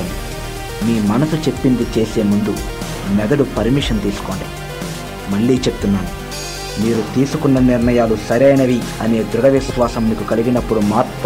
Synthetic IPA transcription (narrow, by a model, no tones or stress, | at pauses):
i | miːmɐnɐsut͡ʃe̞pːind̪it͡ʃe̞ːse̞ːmund̪u | mɛd̪ɐɽupɐɾmiʂɐnt̪iːsu̥koːɳɖi | mɐɭːiːt͡ʃe̞pu̥t̪unːaːnu | miːɾut̪iːsukunːɐniɾɳɐjaːlusɐɾɐjnɐʋiɐne̞ːd̪ɾuɽɐʋisʋaːsɐmnikukɐliɡinɐpːuɽumaːɾt̪